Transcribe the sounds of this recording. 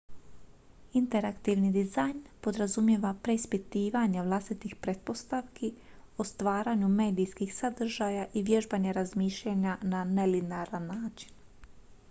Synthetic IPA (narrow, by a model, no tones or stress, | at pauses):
int̪e̞ɾakt̪iʋnid̪izajnpo̞d̪ɾazumjeʋapɾe̞ispit̪iːʋaɲeʋlˠast̪it̪ixpɾet̪̚po̞st̪aʋki | ost̪ʋaːɾaɲume̞ːd̪ijskixsad̪r̩ʒajaʔiʋje̞ʒbaɲeɾazmiːʃʎaɲananelinaɾanːaːt͡ʃi̥n